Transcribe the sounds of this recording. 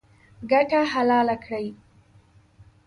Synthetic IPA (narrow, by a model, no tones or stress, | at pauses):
ɡaʈaɦalɑːlakɽəj